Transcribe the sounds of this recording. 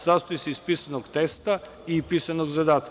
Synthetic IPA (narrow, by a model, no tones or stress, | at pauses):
sast̪oisɛispisanokt̪ɛst̪a | ipisanoɡzad̪at̪